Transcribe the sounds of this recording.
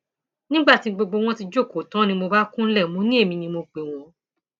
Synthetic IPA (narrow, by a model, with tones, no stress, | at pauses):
nĩ˦ɡ͡ba˦˨ti˧ɡ͡bo˧ɡ͡bo˧w̃ɔ̃˦ti˧d͡ʒo˦˨ko˨tã˨˦nĩ˧mo˧ba˦kũ˦n̩˦lɛ˦˨mũ˨˦nĩ˦e˦˨mĩ˧nĩ˧mo˧k͡pe˨w̃ɔ̃˧